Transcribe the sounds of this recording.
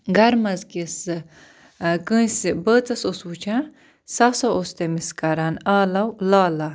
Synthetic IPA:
ɡɐɾmɐzkisɨ | kɨ̃isibəːt͡sɐsosut͡ʃʰã | sɐsɐost̪emiskɐɾanaːlɐwlaːla

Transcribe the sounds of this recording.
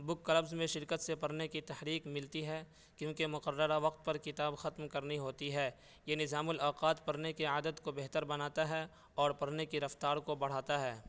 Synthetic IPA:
bʊkːɐlɐbzmẽʃɪɾkət̪sepɐɾnekit̪ɐhɾiːqmɪlt̪iɦɛː | kjõːkemʊqəɾːəɾaʋɐqt̪̚pɐɾkɪt̪aːbxɐt̪mkɐɾniɦoːt̪iɦɛː | jenɪzaːmʊlaːqaːt̪pɐɾnekiaːd̪əd̪kobeɦt̪əɾbɐnaːt̪aɦɛ | ɔːɾpɐɽnekiɾɐft̪aːɾkobɐɽ̤aːt̪aɦɛː

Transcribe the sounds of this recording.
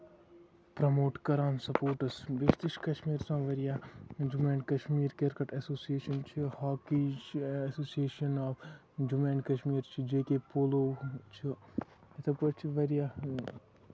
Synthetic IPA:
pɾɐmoːʈkɐɾaːnsɐpoːʈɐsbiʃt̪iʃkɐʃmiːɾsãːʋɐɾijaːd͡ʒumẽːnkɐʃmiːɾkeɾkɐʈɐsoːsieːʃɐnt͡ʃʰihaːkid͡ʒsoːsieːʃɐnɔːb | d͡ʒumẽːnkɐʃmiːɾt͡ʃʰid͡ʒekepoloːt͡ʃʰi | ɐt̪ʰɐkɐt͡ʃʰiʋɐɾijaː

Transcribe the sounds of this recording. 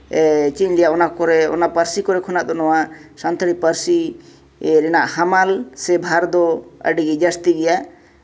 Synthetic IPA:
t͡ʃiɲlɛjaʔɔnakɔɾɛɔ̰napaɾsikɔɾɛkʰɔnaʔt̪ɔnɔwasant̪ʰəɾipəɾsi | ɾɛnaʔhamalsɛbʱaɾd̪ɔə̰ɖiɡid͡ʒast̪iɡɛjaʔ

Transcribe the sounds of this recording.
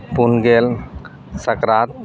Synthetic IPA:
punɡel | səkɾaːt̪̚

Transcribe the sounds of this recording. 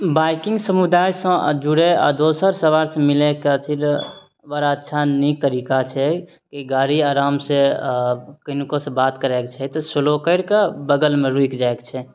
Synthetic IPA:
bajkĩŋɡsəmud̪ajsə̃d͡ʒuɽea̰d̪osəɾsəʋaɾsə̃mileket͡ʃʰil | ʋəɾaətːʃʰanik̚t̪əɾikat͡ʃʰɛ | kiɡaɽiaːɾaːmse | kənkosẽbat̪kəɾɛkt͡ʃʰɛt̪ɔsəlokəɪɽkebəɡəlmeɾuikd͡ʒaekt͡ʃʰɛ

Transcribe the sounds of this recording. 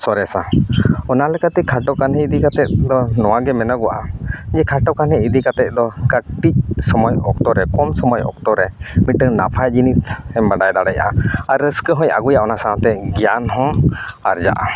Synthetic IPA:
sɔɾɛsaɔnalɛkat̪ɛkʰaʈɔkanɦɛ̃id̪ikat̪ɛt̪̚d̪ɔnɔwaɡɛmɛnaɡɔwa̰ʔad͡ʒɛkʰaʈɔkanɦɛid̪ikat̪ɛt̪̚d̪ɔkəʈic̚sɔmɔjɔk̚t̪ɔɾɛkɔmsɔmɔjɔ̰k̚t̪ɔɾɛmiəŋnapʰajd͡ʒinit̪ɛmbaɖajd̪aɽaja̰ʔaaɾːəskəɦɔ̃ja̰ɡujaʔɔnasaɦɔ̃t̪ɛɡjanɦɔ̃aɾd͡ʒa̰ʔa̰

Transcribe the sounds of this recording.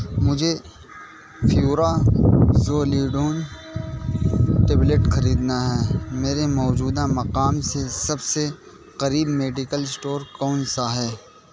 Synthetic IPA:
mʊd͡ʒʱe | fʰjuːɾa | zoːliːɖoːn | ʈeːbleʈxɐɾiːd̪naɦɛːmeːɾemɔːd͡ʒuːd̪amɐqaːmsesɐbse | qɐɾiːbmeːɖɪkəlsʈoːɾkɔːnsaɦɛː

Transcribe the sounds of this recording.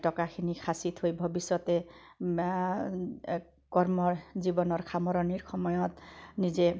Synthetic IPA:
tɔkakʰinikʰasit̪hojbʱɔbisɔt̪ɛ | kɔɹmɔɹzibɔnɔɹkʰamɔɾɔniɹxɔmɔjɔt̪nizɛ

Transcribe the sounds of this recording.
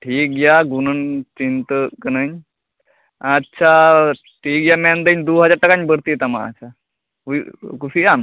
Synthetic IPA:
ʈʰiːk̚ɡjaːɡunənt͡ʃint̪əkənəɲ | ɐtːʃʰa | ʈʰiːk̚ɡjamɛ̃nd̪əɲd̪oːɦɐd͡ʒaːɾʈɐkaɲbəɾt̪it̪amã̰ə̰t͡ʃʰa | uikusiam

